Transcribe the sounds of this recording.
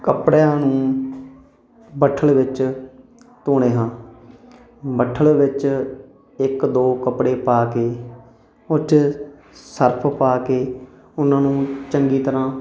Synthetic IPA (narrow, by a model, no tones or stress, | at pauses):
kəpɽjãːnũː | bəʈʰːəɭʋɪt͡ʃ | t̪oːɽ̃eːɦãː | bəʈʰːəɭʋɪt͡ʃ | ɪkd̪oːkəpɽeːpaːkeː | ʊt͡ʃ | səɾpʰpaːkeː | ʊnãːnũːt͡ʃəŋɡiːt̪əɾãː